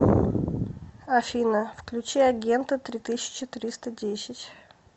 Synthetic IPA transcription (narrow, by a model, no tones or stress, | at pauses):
ɐfʲinəfklʲʉt͡ɕiɐɡʲent̪ət̪ɾʲit̪ɨsʲɪ̥t͡ɕɪt̪ɨɾʲist̪ədʲesʲɪtʲ